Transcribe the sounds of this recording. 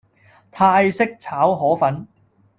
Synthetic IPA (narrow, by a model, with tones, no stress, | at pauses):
t̪ʰaː˧jsɪ˥k̚t͡sʰaː˨˥wɦɔː˨˥fɐ˨˥n